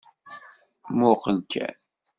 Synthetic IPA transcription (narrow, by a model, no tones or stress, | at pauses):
mʊqːənkʰæ̰n